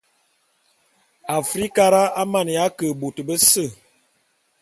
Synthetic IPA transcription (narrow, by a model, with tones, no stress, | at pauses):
a˨fɾi˦ka˦ɾa˦a˦ma˦˨n˨ja˨˦kə˨bo˨tə˨bə˦sə˦˨